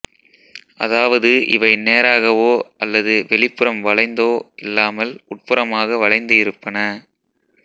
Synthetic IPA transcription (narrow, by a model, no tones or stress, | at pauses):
ʔɐ̰ðaːʋɐðɯʔɪ̰ʋɐɪneːɾaːɣɐʋoːʔɐlːɐðɯʋɛɭɪpːɯɾɐmʋɐɭɐɪnd̪oːʔɪlːaːmɐlʊʈ̚pɯɾɐmaːɣɐʋɐɻɐɪnd̪ɯɪɾɯpːɐnɐ